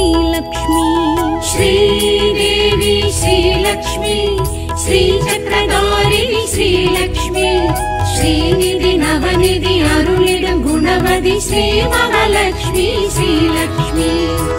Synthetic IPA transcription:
ilɐkʂmiʃɾiːd̪eːʋiʃɾiːlɐkʂmi | ʃɾiːt͡ʃɐt̪ɾɐkaːɾiʃɾiːlɐkʂmi | ʃɾiːnid̪inɐbɐnid̪iɦɐɾuliɽɐɡʱunɐʋɐd̪ʱiʃɾiːʋɐɦɐlɐkʂmiʃɾiːlɐkʂmi

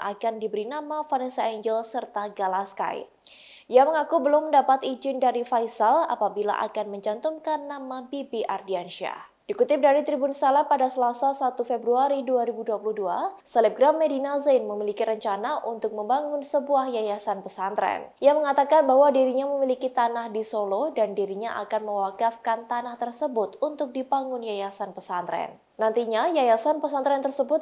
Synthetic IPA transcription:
ʔa̰kandibəɾinamafaɾɛnsaiɲd͡ʒəlsərt̪aɡalaska̰j̰ | ijaməŋakubəlʊmːəndapat̪id͡ʒɪndaɾifajsala̰pabila̰ʔa̰kanməɲd͡ʒant̪umkanːamabibiʔardianʃia̰ | d̥ikut̪ɪp̚daɾit̪ɾibunsalapːadasəlasasat̪ufebɾuaɾiduaɾibuduapuluhduasəlɛp̚ɡɾamːedinazajnməmilikiɾəɲt͡ʃanaʔunt̪ʊk̚məmbaŋʊnsəbuahjajasanpəsant̪ɾɛ̰nijaməŋat̪akanbaɦwadiɾiɲaməmilikit̪anahdisolodandiɾiɲaʔa̰kanməwakafkant̪anaht̪ərsəbʊt̪unt̪ʊk̚dibaŋɡʊnjajasanpəsant̪ɾɛ̰n | nant̪iɲajajasanpəsant̪ɾɛnt̪ərsəbʊt̪̚

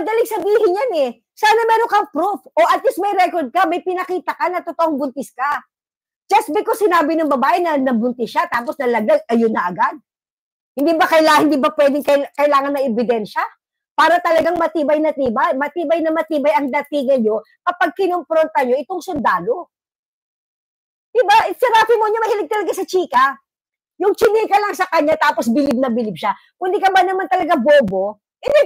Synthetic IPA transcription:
pɐd̪ɐlɪŋsɐbiːhɪnjanɛ | saːnɐmɛːɾoŋkɐŋpɾufʔoʔɐt̪list̪̚mɐjɾɛkoɹd̪̚kɐmɐjpɪnɐkiːt̪ɐkɐnɐt̪ot̪oʔoŋbʊnt̪ɪskɐ | d͡ʒɐst̪̚bɪkosɪnaːbɪnɐŋbɐbaːʔɛnɐnɐbʊnt̪ɪsʃat̪aːposnɐlɐɡ̪aɡ̚ʔɐjonɐʔɐɡad̪̚ | hɪ̃nd̪iːbɐkɐjlahɪnd̪iːbɐpwɛd̪ɪŋkɐkɐʔɪlaːŋɐnːɐʔɛbɪd̪ɛnʃɐ | paːɾɐt̪ɐlɐɡaŋmɐt̪iːbɐjnɐt̪iːbɐjmɐt̪iːbɐjnɐmɐt̪iːbɐjɐŋd̪ɐt̪iːɡɐnɲo̞ | kɐpaɡ̚kɪnompɾont̪ɐɲo̞ʔɪt̪oŋsʊnd̪aːlo̞ | d̪̥ɪbaʔɪsɛɾaːfimoɲomɐhɪlɪɡ̚t̪ɐlɐɡasɐt͡ʃiːkɐ | jʊŋt͡ʃɪnikɐlaŋsɐkɐɲːat̪aːposbɪlɪb̚nɐbɪlɪb̚ʃa | kʊnd̪ikɐbɐnɐmant̪ɐlɐɡaboːbo̞ | ʔɪd̪ɪ

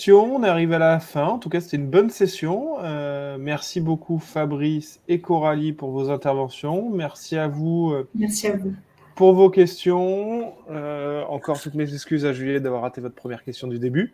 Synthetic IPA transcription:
jɔ̃ɔ̃naʁivalafɛ̃ɑ̃t̪ukase̥t̪ɛynbɔnsesjɔ̃ømɛʁsibokʰufabʁisekɔʁalipuʁvozɛ̃t̪ɛʁvɑ̃sjɔ̃mɛʁsiavuømɛʁsiavu | puʁvokʲɛst̪jɔ̃øɑ̃kɔʁt̪ut̪mezɛkskʲyzaʒyljɛd̪avwaʁːat̪evɔt̪χəpʰχəmjɛʁkʲɛst̪jɔ̃d̪yd̪eby

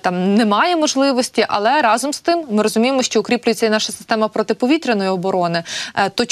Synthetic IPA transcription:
t̪ɑmnɛmɑjɛmɔʒlˠɪʋɔsʲtʲiʔɐ̰lˠɛɾɑzɔmst̪ɪmːɪɾɔzʊmʲijemɔʃt͡ʃɔʊkɾʲiplʲʊjet͡sʲːɐinɑʃɐsɪ̥st̪ɛmɐpɾɔt̪ɪpɔʋʲit̪ɾenɔjiɔbɔɾɔnɪt̪ɔ

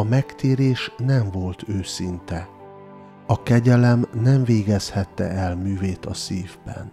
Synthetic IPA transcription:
ɒmɛkt̪eːɾeːʃnɛɱvo̞lt̪ʰøːsint̪ɛ | ɒkɛɟɛlɛmnɛɱveːɡɛshɛt̪ːɛ̰ɛlmyːveːt̪ɒsiːvbɛ̰n

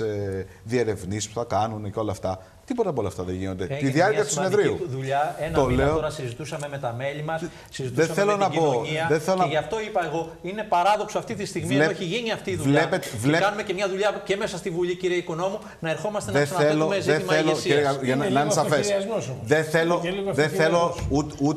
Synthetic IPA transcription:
e | ðie̞ɾe̞vnisi̥spu̥θɐkɐnunceo̞lɐːft̪ɐ | t̪ipot̪ɐp̬olɐft̪ɐðeʝino̞nd̪et̪iðiɐɾciɐt̪usiineðɾiṵðuʎɐenɐoleooɾɐsizit̪usɐme̞me̞t̪ɐme̞ʎimɐs | sizit̪esɐθelonɐibooɲiɐðeθelonɐʝɐft̪o̞ipɐeɣo̞ | ine̞pɐɾɐðo̞ksoɐft̪it̪ist̪iɣmieeçiʝiniɐft̪iːðuleɐpet̪vlekɐnume̞ce̞mɲɐðuʎɐce̞mesɐst̪ivuʎiciɾieiko̞no̞mu | nɐeɾxo̞mɐst̪enðeselomezeimɐelosʝɐnnɐinesɐfessɐznsomoðeθelolðeθelout̪ut̪

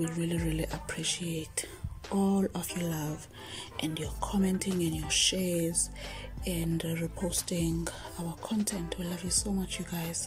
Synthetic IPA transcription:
wilɹiliɹiliʔapʰɹiʃietʰ | ɔlɔfjɔlav | ʔɛ̃ndjɔkʰɔmɛ̃ntʰĩŋĩnjɔʃɛzɛ̃ndɹipʰostĩŋ | awakʰɔ̃ntʰɛ̃ntʰwilavjusomat͡ʃʰjuɡajz̥

